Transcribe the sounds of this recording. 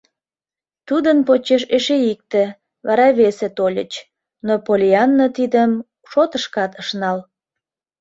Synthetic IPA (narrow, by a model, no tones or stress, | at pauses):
t̪ud̪ənpot͡ɕeʃeʃeik̚t̪ĕ | βɑ̰ɾɑβeset̪olʲə̰t͡ɕ | nopolʲiɑnːət̪id̪əm | ʃot̪əʃkɑt̪əʃnɑl